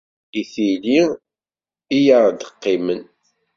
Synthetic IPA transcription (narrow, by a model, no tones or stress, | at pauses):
iθili | ijəɾd̪əqːimən